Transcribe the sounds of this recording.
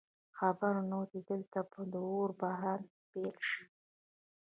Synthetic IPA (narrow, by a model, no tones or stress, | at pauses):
xabaɾnod̪ed̪əlt̪apəd̪əoɾbaɦan | b̥elʃi̥